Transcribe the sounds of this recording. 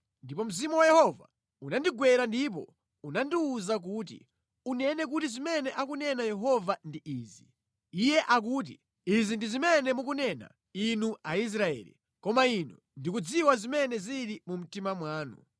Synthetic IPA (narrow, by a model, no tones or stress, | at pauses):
ndipɔm̩zimuwajɛhɔva̰ | unandiɡwɛɾandip̬ɔ̰ | unandiuzak̬uːtḭ | unɛnɛk̬utizimɛnɛʔakunɛnajɛɦɔvandiʔiːzi | ijɛʔak̬uːt̬i | izindizimɛnɛmukunɛna̰ | inuais̬ɾaɛ̰lḭ | kɔmainṵ | ndikud͡ziwazimɛnɛziɾimum̩timamwaːnṵ